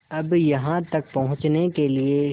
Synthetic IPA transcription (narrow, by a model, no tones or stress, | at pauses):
ɐbjɐɦãt̪ɐk̚pɐɦʊ̃t͡ʃnekelie